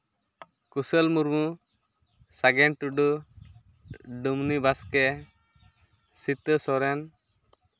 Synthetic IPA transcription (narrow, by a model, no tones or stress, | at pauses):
kusəlmuɾmu | saɡɛɳʈuɖu | ɖumnibaskɛ | sit̪əsɔɾɛn